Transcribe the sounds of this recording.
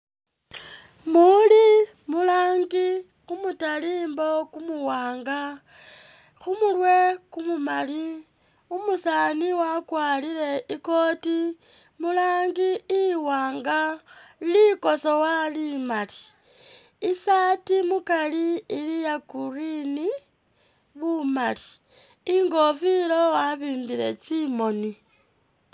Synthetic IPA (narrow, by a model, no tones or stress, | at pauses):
muli | mulaːŋɡi | xumutaliːmbo̞kumuwaːŋɡa | xumulwe̞kumumali | umusaːniwakwaːlile̞iko̞ːti | mulaːŋɡiːwaːŋɡailiko̞sowalimaliː | satimukaliːlijakurini | βumali | iŋɡo̞filo̞waβiːmbiɾe̞̰t͡simo̞ni